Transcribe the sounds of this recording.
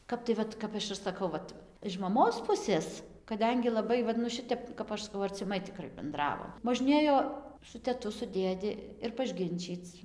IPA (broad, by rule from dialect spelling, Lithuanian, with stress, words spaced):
ˈkɐp tɐɪ ˈʋɐt ˈkɐp ɐʃ ɪr sɐˈkɐʊ ˈʋɐt ɪʃ mɐˈmoːs ˈpʊsʲeːs kɐˈdʲɛŋʲɡʲɪ lˠɐˈbɐɪ ˈʋɐt nʊ ˈʃʲɪtʲɛp kɐp ˈɐʃ sɐˈkɐʊ ɐrʲt͡sʲɪˈmɐɪ tʲɪˈkrɐɪ bʲɛnˈdrɑːʋoːm moːʒʲˈnʲeːjoː sʊ tʲɛˈtʊ sʊ ˈdʲeːdʲɪ ɪr pɐʒʲˈɡʲɪnʲt͡ʃʲiːt͡s